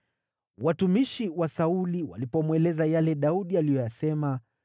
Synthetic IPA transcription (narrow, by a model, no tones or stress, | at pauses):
watumiʃiwasauliwa̰lipɔmwɛlɛzajalɛɗauɗialijɔjasɛma